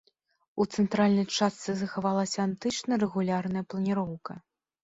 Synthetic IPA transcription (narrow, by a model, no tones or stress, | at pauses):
ut̪sɛnt̪ɾalʲnɐjt͡ʂast̪sɨzɐxavalˠɐsʲɐant̪ɨt͡ʂnɐɾɛɣulʲarnɐjɐplˠɐnʲiɾɔwkɐ